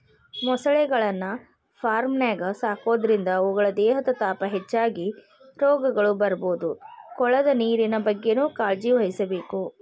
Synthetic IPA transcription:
mɔsɐɭɛɡɐɭɐnːɐ | pʰaːɾmnaːɡɐsaːko̞ːd̪ɐɾind̪ɐuːɡɐɭɐd̪ɛːɦɐt̪ɐt̪aːpɐɦet͡ʃːaːɡi | ɾoːɡɐɡɐɭubɐɾɐboːd̪ukɔɭɐd̪ɐniːɾinɐbɐɡːe̞nuːkaːɾd͡ʒiʋɐɦisɐbe̞ːku

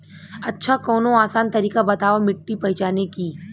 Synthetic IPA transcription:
ɐtːʃʰakɔːnõaːsaːnt̪ɐɾiːkabɐt̪aːʋamɪʈːipɐɦɪt͡ʃaːnekiː

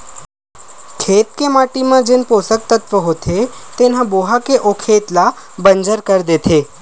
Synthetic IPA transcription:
kʰeːt̪kemaːʈimãd͡ʒenpoːsək̚t̪ət̪ʋəɦot̪ʰet̪en̤ãboɦakeʔokʰeːt̪la | bə̃nd͡ʒəɾkəɾd̪et̪ʰeː

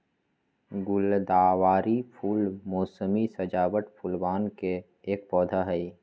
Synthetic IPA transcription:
ɡʊld̪aːwaːɾipʰuːlmoːsəmisəd͡ʒaːbəʈpʰʊlbaːnkeː | k̚pɔːd̪ʱaɦɛi

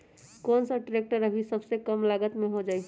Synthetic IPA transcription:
koːnsəʈɾek̚ʈəɾəbʱisəbsekəmlaɡət̪mẽɦod͡ʒaːi

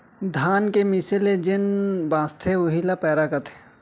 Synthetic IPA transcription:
d̪ʱaːnkemɪsɪled͡ʒɪnbãːst̪ʰeʊɦilapɛːɾaːkɐt̪ʰe̥

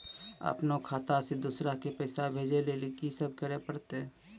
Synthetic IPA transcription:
ə̰pnokʰaːt̪ased̪uːsɾakepəːsabʱeːd͡ʒelelɪkisəb̚kəɾepəɽt̪eɛ̃

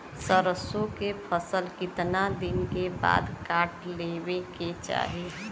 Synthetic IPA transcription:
səɾəsõkepʰəsəlkɪt̪nad̪ɪnkeba̰ːd̪kaːʈlebeket͡ʃa̰ːɦi

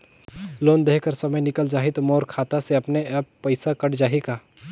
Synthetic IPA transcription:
loːnd̪eːɦkəɾsɐməjnɪkəld͡ʒaːɦɪt̪mɔːɾkʰaːt̪aseɐpneɛːpːɐɪsakɐʈd͡ʒaːɦikaː

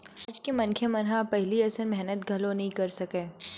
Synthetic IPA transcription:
aːd͡ʒkemɐnkʰemɐnɦapɛɦliɐsəɾmɛɦnət̪ɡʱɐlonɐɦĩkɐɾsɐkeː

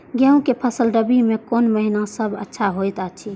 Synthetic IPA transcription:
ɡjɛũkepʰəsəlɖəbimẽkonməɦinasəbə̰tːʃʰaɦojt̪at͡ʃʰi

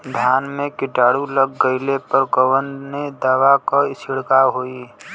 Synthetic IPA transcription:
d̪ʱjaːnmẽkɪʈaːɽuləɡːəɪlepəɾkəwənd̪ned̪aːʋakaɪsɪɽkaɦoːi

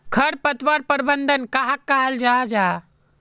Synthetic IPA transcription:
kʰəɾpət̪ʋaɾpəɾbənd̪ʱənkaɦakːaɦəld͡ʒad͡ʒa

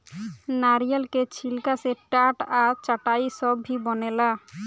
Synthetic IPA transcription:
naɾijalket͡ɕʰilkaseʈaʈaɾt͡ɕaʈajsɔbʱibɔnela

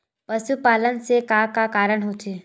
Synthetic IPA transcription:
pəʃupaːlənsekakakaːɾəɽ̃ɦot͡ʃʰeː

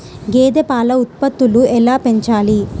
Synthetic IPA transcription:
ɡeːd̪epaːlɐut̪̚pɐt̪ːuluɛlaːpe̞ɲt͡ʃaːli

